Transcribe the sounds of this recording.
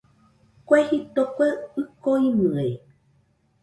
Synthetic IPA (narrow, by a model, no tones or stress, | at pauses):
kʷehit̪okʷeɨkoimɨ̃e